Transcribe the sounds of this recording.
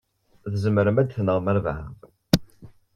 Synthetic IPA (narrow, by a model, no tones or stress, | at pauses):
ðəzəməɾəmæd̪θnəʁmæɾvʕ